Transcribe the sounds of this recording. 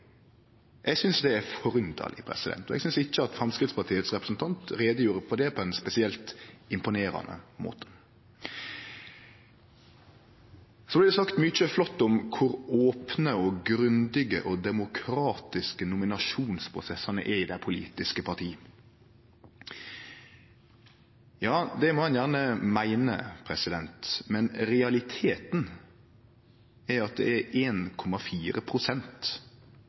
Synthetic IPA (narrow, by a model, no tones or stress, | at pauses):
ʔɛɡsʏnsd̪ɛæɾfɔɾʉnd̪ɑ̰lʔɪ̰pʰɾɛ̰sɪd̪ɛ̰nt̪ɔɛ̰ɡsʏnsɪçːəɑt̪fɾɑmskɾɪt̪spɑʈ̪ʰiːət̪sɾɛpɾəsn̩t̪ʰɑnt̪ɾeːd̪əjuːɾəpʰɔd̪ɛpʰɔɛnspɛsɪɛlt̪ɪmpʊneːɾɑ̰nə̰mo̰ːt̪ʰə̥ | sɔblɪd̪ɛsɑkt̪mʏt͡ʃəflɔt̪ːʊmkʰʊɾoːpnəɔɡɾʉnd̪ɪɡə̰ʔɔd̪ɛmʊkʰɾɑːt̪ɪskənʊmɪnɑʃuːnspʰɾʊsɛsɑnə̰ʔɛɾɪd̪æɪpʰʊlḭːt̪ɪskəpʰɑt̪ʰiː | jɑːd̪ɛmɔɛnjæːʁnəmæɪnə̰pʰɾɛsɪd̪ɛnt̪mɛnɾɛɑlɪt̪ʰeːt̪n̩ | æɑt̪̚d̪ɛ̰æɾeːnkʰɔmɑfiːɾəpʰɾʊsɛnt̪